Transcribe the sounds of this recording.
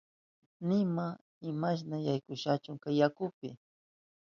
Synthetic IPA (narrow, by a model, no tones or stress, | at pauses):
nɪma | ɪmaʃ̬najajkʊʃat͡ʃʊŋkajakʊpɪ